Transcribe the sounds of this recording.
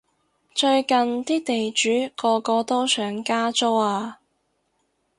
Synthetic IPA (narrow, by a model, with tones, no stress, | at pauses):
t͡ʃɵ˧ɥkɐ˨nt̪iː˥t̪e˨jt͡ʃyː˨˥kɔː˧kɔː˧t̪ɔː˥sʰœː˨˩ŋkaː˥t͡so˥waː˧